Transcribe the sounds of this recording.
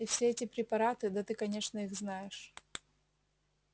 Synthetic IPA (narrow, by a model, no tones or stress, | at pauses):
ɪfsʲeɛtʲɪpɾʲɪpɐɾat̪ɨd̪ɐt̪ɨkɐnʲe̞ʂnəiɣznajɪʂ